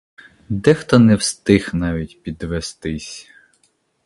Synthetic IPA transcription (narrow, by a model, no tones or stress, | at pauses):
d̪ɛxt̪ɔnɛwst̪ɪxnɑʋʲitʲpʲid̪ʋest̪ɪsʲ